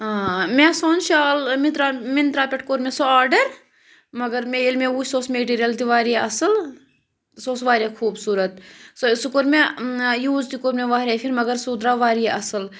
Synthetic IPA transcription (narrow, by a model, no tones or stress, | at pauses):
ɦãːmesoːnʃaːlmit̪ɾamint̪ɾaːpʲeʈkoɾmesoaːɾɖɐɾ | mɐɡɐɾmeilmẽusoːsmeːʈiːɾijɐlt̪iʋaːɾieɐsɨl | soːsʋaːɾʲijakʰuːbsuːɾɐt̪sosukoɾmejuːzt̪ikoɾmeʋaːɾʲaːfʰiɾmɐɡɐɾsud̪ɾaːʋaːɾieʔɐsɨl